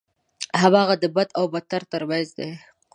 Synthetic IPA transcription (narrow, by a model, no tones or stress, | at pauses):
ɦamɑɣad̪əbad̪awbat̪aɾt̪əɾbɑzd̪e